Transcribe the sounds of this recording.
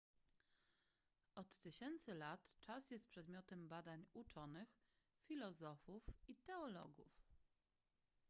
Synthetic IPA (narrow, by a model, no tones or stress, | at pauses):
ɔt̪ːɘɕɛnt̪sɘlat̪t͡ʂasjɛst̪̚pʂɛd̪mʲjɔt̪ɛmbad̪aɲut͡ʂɔnɘx | fʲilɔzɔfufit̪ɛɔlɔ̰ɡṵf